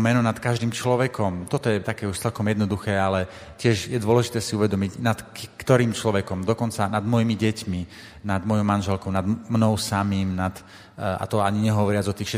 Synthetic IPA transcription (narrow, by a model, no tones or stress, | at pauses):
mɛnɔnat̪kaʒd̪iːmt͡ʃlɔʋɛkɔmt̪ɔt̪ɔjɛt̪akɛːuʃt͡sɛlkɔmjɛd̪nɔd̪uxɛːalɛ | cɪɛʒjɛd̪ʊɔlɛʒit̪ɛːsiuʋɛd̪ɔmiɟnat̪kkt̪ɔɾiːmt͡ʃlɔʋɛkɔmd̪ɔkɔnt͡sanad̪mɔjimiɟɛcmi | nad̪mɔjɔmanʒɛlkɔʊnad̪mnɔʊsamiːmnat̪ | a̰t̪ɔaɲiɲɛɦɔʋɔɾɪad͡zɔt̪iːxʃɛ